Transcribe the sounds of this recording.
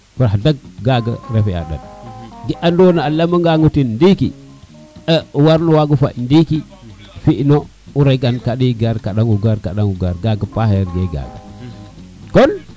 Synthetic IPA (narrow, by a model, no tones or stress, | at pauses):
kuɾaadaɡ̚ɡaɡa̰ɾefia̰da̰nɡiʔandonaalaməŋɡaŋutindikḭ | əwaɾnuwaɡufandiki | fiʔno | uɾeɡankaɗiɡaɾkaɗaŋuɡaɾkaɗaŋɡuɡaɾɡaɡəpahjɾɡeɡa̰ɡa̰ | kon